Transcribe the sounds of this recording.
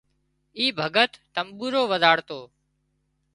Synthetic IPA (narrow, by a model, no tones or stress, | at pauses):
iːbʱəɡət̪ːəmɓuːɾoːʋəzʱaːɽt̪oː